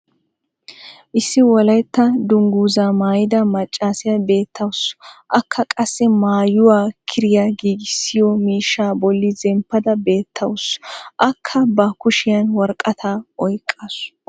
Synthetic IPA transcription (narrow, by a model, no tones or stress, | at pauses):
ʔɪsːɪwɔlɐjt̪ːɐd̪ʊŋɡuːzaːmaːjɪd̪ɐmɐt͡ʃʼːaːsɪjɐbe̞ːt̪ʰːɐwʊsʔɐkʰːɐkʼɐsːɛmaːjʊwaːkʰɪɾɪjaɡiːɡɪsːɪjɔmiːʃːaːbɔlːɪzɛmpːɐd̪ɐbe̞ːt̪ʰːɐwʊsʔɐkʰːɐbɐkʊʃɪjɐnwɔɾkʼɐt̪ʰaːʔɔjkʼːas